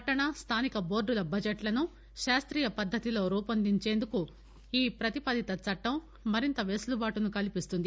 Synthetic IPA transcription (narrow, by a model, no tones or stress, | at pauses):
ɐʈːɐɳɐst̪ʰaːnikɐbo̞ːɖːulɐbɐd͡ʒeʈlɐnu | ʃaːst̪ɾiːjɐpɐd̪ʱːɐt̪ilo̞ːɾuːpɐnd̪iɲt͡ʃe̞ːnd̪uku | iːpɾɐt̪ipɐd̪it̪ɐt͡sɐʈːɐmː | ɐɾint̪ɐʋeːslubaːʈunukɐlipist̪und̪i